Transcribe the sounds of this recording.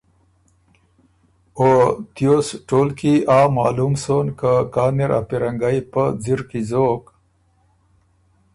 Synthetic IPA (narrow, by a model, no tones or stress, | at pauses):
ot̪josʈoːlkiaːmaːlumsonkakaːniɾa̰piɾaŋɡajpəd͡ziɾkizok